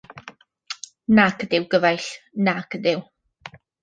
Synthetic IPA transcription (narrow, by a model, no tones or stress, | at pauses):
nakʰədɪwɡəvajɬnakʰədɪw